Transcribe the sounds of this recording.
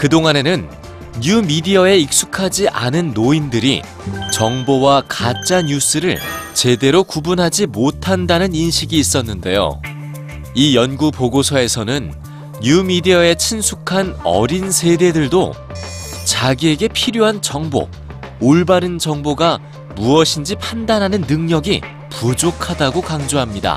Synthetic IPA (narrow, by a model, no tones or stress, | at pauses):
kɯdoŋane̞nɯnː | umidiʌe̞ik̚s͈ukʰad͡ʑiʔa̰nɯnːoindɯɾḭ | t͡ɕʌŋbowakat͡ɕ͈aɲus͈ɯɾɯɭt͡ɕe̞de̞ɾokubunɦad͡ʑimotʰandanɯninɕʰiɡiːs͈ʌnːɯnde̞̰jo̰ | ijʌnɡupoɡosʰʌe̞sʰʌnɯnː | umidiae̞t͡ɕʰinsʰukʰanʌ̰ɾinsʰe̞de̞dɯɭdo | t͡ɕaɡie̞ɡe̞pʰiɾjoɦant͡ɕʌŋbo̰ | oɭbaɾɯnd͡ʑʌŋboɡa | muʌɕʰind͡ʑipʰandanɦanɯnːɯŋɲʌɡḭ | pud͡ʑokʰadaɡokaŋd͡ʑoɦamɲida̰